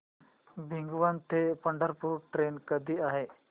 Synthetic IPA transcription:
bʱɪ̃ŋɡuʋant̪ʰepɐ̃ɳɖəɾpuɾʈɾeːnkəd̪ʱiaːɦeː

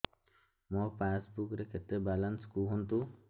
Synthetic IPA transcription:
mɔpaːsbukɾeket̪ːebalɐnskuɦunt̪u

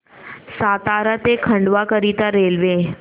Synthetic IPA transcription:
sat̪aɾət̪ekʰəɳɖʋakəɾit̪aɾelʋe

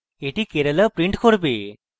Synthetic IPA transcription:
eʈikeɾələpɾiɳʈkʰoɾbe

